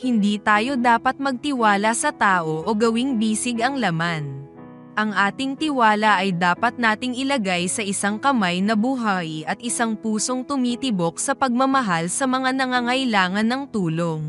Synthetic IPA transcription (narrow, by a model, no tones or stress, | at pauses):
hɪnd̪iːt̪aːjo̞d̪aːpɐt̪̚mɐɡ̚t̪ɪwaːlɐsɐt̪aːʔo̞ʔoɡɐwɪŋbiːsɪɡɐŋlɐman | ʔɐŋʔaːt̪ɪŋt̪ɪwaːlɐʔɐjd̪aːpɐt̪̚naːt̪ɪŋɪlɐɡajsɐʔɪsaŋkɐmajnɐbuɦajʔɐt̪̚ɪsaŋpuːso̞ŋt̪ʊmiːt̪ɪbo̞k̚sɐpɐɡ̚mɐmɐɦalsɐmɐŋanɐŋaŋɐɪlaːŋɐnːɐŋt̪uːlo̞ŋ